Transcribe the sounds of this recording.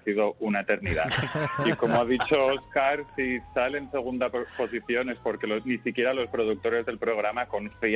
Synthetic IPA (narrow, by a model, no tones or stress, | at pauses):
siðo̞unaet̪e̞ɾnið̞a̰iko̞mo̞að̞it͡ʃo̞oskaɾsisalense̞ɣ̞und̪apo̞siθjo̞ne̞spo̞ɾke̞loznisikje̞ɾalo̞spɾo̞ðuk̚t̪o̞ɾe̞zðe̞lpɾo̞ɣ̞ɾamako̞nθi